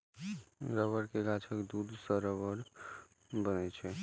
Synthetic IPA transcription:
ɾəbəɾkeɡat͡ʃʰəkd̪ud̪səɾəbəɾ | bənɛt͡ʃʰɛ

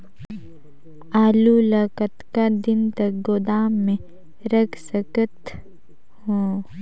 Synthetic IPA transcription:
aːlulakət̪kad̪ɪnt̪ɐk̚ɡod̪aːmːẽ | ɾəkʰsəkət̪ | hoː

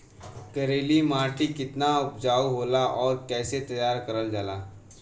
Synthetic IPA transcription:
kɐɾeːlimaːɾʈikɪt̪naʊpd͡ʒaːuɦoːlaʔɔːɾkɛːset̪ɐjaːɾkɐɾəld͡ʒaːlaː

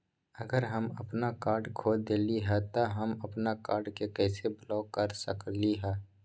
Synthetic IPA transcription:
ɐɡəɾɦɐmɐ̰pnakaːɾɖkʰoːd̪eːliɦɛt̪oɦɐmɐpnakaːɾɖkekɛːseblɔːkːɐɾsəkliɦɛː

